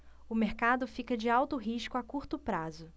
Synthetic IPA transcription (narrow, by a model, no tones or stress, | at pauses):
ʊmeɾkad̪ʊfikɐd͡ʒɪawt̪ʊɦiʃkʊakuɾt̪ʊpɾazʊ